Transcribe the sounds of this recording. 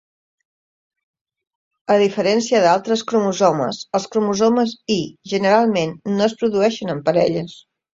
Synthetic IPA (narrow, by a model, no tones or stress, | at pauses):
əðifəɾɛnsiəðalˠt̪ɾəskɾumuzomə̰səlˠskɾumuzoməziʒənəɾalˠmenːoəspɾuðuɛʃənəmpəɾɛʎəs